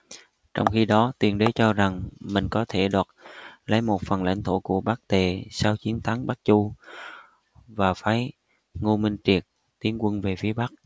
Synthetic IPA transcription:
t͡ɕɔ̰˧wŋ͡mxi˧ɗɔ˨˦t̪wi˨˩ənɗe˨˦t͡ɕɔ˧za˨˩ŋmï˨˩ŋ̟kɔ˨˦t̪ʰe˧˩ɗwaː˨˩t̚lə˨˦jmo˨˩t̚fə˨˩nla̰˧˥jŋ̟t̪ʰo˧˩ku˧˩əɓa˦˥k̚t̪e˨˩saː˧wt͡ɕi˨˦ənt̪ʰa˨˦ŋɓa˦˥k̚t͡ɕu˧ | vaː˨˩faː˨˦j | ŋo˧mï˧ŋ̟t͡ɕi˨˩ək̚ | t̪i˨˦ənkwə˧nve˨˩fi˨˦əɓa˦˥k̚

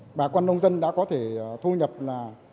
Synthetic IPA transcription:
ɓaː˨˩kwa˧nːʔə˧wŋ͡mzə˧nɗa̰ː˧˥kɔ˨˦t̪ʰe˧˩˨t̪ʰu˧ɲə˨˩p̚laː˨˩

